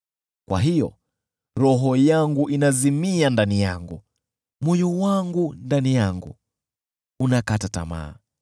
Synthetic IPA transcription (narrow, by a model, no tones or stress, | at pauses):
kwa̰ɦijɔ̰ | ɾɔɦɔjaŋɡuʔinazimiandanija̰ŋɡu | mwujuwaŋɡundanijaŋɡṵ | unakatata̰ma̰ː